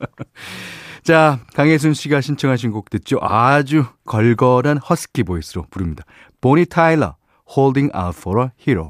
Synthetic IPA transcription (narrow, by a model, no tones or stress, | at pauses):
t͡ɕakaŋes̬ʰunɕʰiɡaɕʰint͡ɕʰʌŋɦaɕ̬ʰinɡok̚t͈wet̚t͡ɕ͈oʔad͡ʑukʌɭɡʌɾanhʌsʰɯ̥kʰibois͈ʰɯɾopuɾɯmɲida | poɲitʰailʌ̰ | hoɭdiŋa̰tfʰʌɾʌhiɾo̰